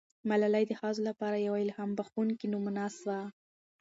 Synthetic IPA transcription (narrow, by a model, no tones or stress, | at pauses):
malalajd̪əhɑzolapɑɾajawaɪlhɑmbaxunkinumunɑswa